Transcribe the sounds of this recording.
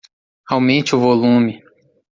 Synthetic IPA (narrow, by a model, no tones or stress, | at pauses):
awmẽnt͡ʃɪʊvolũmɪ